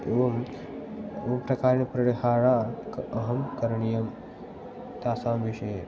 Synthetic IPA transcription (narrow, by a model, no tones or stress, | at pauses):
eʋɐm | ʋɐmpɾɐkaːɾnipɾɐɽihaːɾaːkɐɦɐmkɐɾɳijɐm | t̪aːsaːmʋiʃej